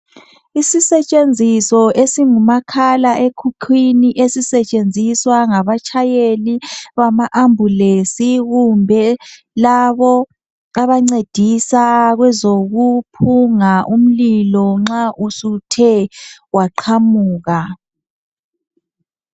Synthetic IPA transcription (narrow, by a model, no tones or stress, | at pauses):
isisɛt͡ʃʼend͡zʱisɔesiŋumakʰalaʔekʰukʰwiniʔesisɛt͡ʃʼend͡zʱiswaŋaβat͡ʃʰajeliβamaʔambʱulesiɣumbʱɛ | laβɔ | aβaŋ͡ǀed̥ʱisaɣwɛzoɣupʰuŋaʔum̩lilɔŋ͡ǁaʔusutʰɛwaǃʰamuːɣa